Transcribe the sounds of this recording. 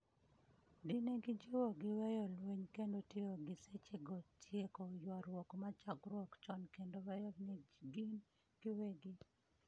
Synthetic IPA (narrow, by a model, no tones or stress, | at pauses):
dɪneɡɪd͡ʒowoɡɪwejolweɲkendotjeoɡɪset͡ʃeɡɔtʰjekɔjwaɾwɔkmat͡ʃaɡɾwɔkt͡ʃɔnkendowɛjɔnɪɡin | kɪweɡɪ